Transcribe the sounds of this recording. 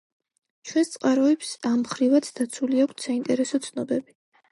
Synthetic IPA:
t͡ʃʰwɛnst̪sʼqʼaɾɔɛpsamχɾivat̪sʰd̪at̪sʰuliakʷʰt̪ʰsaint̪ʼɛɾɛsɔt̪sʰnɔbɛbi

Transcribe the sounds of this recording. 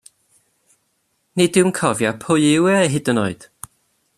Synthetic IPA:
nɪdɪwnkʰɔvjapʰʊɨɪwɛɦɪdənɔɨd̥

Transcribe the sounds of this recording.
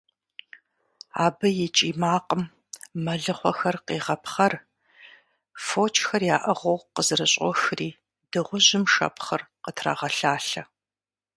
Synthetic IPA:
aːbɐjɪt͡ʃʼiːmaːqəmː | ɐɮɨχʷɔxɐrqiːʁɐpχɐr | foːt͡ʃʰʼxɐrjaːʔɐʁʷɐwqəzɨrɨɕʼɔ̰xriː | dɨʁʷʊʑɪmʂɐ̰pχɐrqətʰra̰ːʁɐɬaːɬɐ

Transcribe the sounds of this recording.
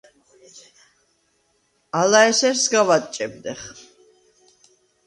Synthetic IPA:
alaɛsɛɾsɡavat̪ʼt͡ʃʼɛb̚d̪ɛχ

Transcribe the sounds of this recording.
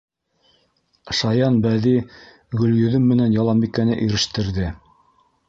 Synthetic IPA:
ʃɑjɑnbæði | ɡɵ̆ljɵ̆ðɵmːɘ̆nænjɑlˠɑmbik̪̚kːænɘʔiɾɘ̆ʃt̪ɘ̆ɾðɘ

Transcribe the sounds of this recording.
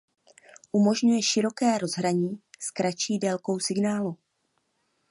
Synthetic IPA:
ʔumo̞ʒɲujɛʃɪɾo̞kɛːɾo̞zɦɾaɲiːskɾat͡ʃiːdɛlko̞wsɪɡnaːlu

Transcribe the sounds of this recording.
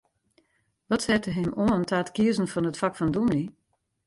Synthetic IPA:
ʋɔtsɛtəɦɪmoəntʰaːtkiəzn̩fɔnətfakfɔndumli

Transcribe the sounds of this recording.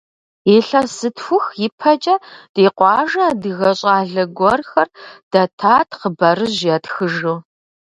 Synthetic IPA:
eːɬɐsɨtfʷʊxjɪpʰɐt͡ʃʼɐd̥eːqʷɑːʒɐːdɨɣɐɕʼaːɮɐɡʷɔrxɐrd̥ɐtʰaːtʰqəbɐrɨʑjɐtxɨʒuː

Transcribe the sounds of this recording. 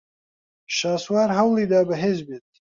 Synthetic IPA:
ʃaːswaːɾɦɐwlˠiːd̪aːbɐɦeːzbeːt̪̚

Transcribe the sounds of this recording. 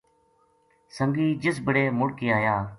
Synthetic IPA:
səŋɡiːd͡ʒɪs̬bəɽeːmʊɽkiːaːjaː

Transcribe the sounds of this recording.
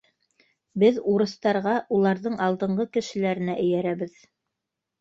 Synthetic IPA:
bɘðuɾɤ̆st̪ɑɾʁɑʔulˠɑɾðɤɴʔɑlˠd̪ɤ̆ɴɢɤkɘ̆ʃɘ̆læɾɘ̆næʔɘ̆jæɾæβɘð

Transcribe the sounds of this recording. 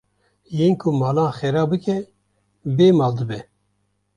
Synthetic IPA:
jeːnkʰumɑːlɑ̃ːnxɛɾaːbɨkʰɛ | beːmɑːld̪ɨbɛ

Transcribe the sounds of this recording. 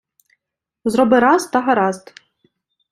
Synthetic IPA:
zɾɔbɪɾɑst̪ɐɦɐɾɑzt̪

